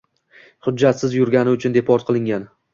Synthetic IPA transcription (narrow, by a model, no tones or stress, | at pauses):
χʊdːat̪sɪzjʊɾɡʲanɪʊt͡ʃʰʊnd̪e̞pʰɒɾt̪̚qʰɨlˠɪŋɡʲan